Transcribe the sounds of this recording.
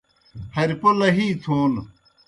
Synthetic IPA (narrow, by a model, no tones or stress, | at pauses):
hɐɾpolɐɦiːt̪ʰoːn